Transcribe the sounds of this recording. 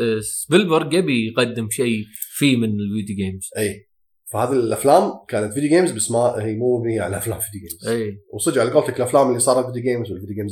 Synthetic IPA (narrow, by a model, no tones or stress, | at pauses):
sbɪlbɑɾˤɡabijqad̪ːɪmʃiːfiːmɪnɪlvid̪juɡeːmz̥ʔiː | fahaːðiʔaflaːmkaːnat̪vɪd̪juɡeːmzbasmahiːmuːviʕalʔaflaːmfid̪juɡeːmzʔeːwsˤɨd͡ʒʕalɡoːlt̪akɪlʔaflaːmɪlːisˤɑːɾˤɑlvɪd̪juɡeːmzwɪlvɪd̪jɡeːmz